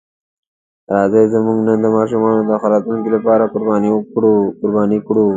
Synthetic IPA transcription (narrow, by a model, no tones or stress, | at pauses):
ɾɑːzejzəmuŋɡnənd̪əmɑːʃumɑːnod̪əxaɾɑt̪uŋkilapɑːɾakʊɾbɑːnikɽukʊɾbɑːnikɽu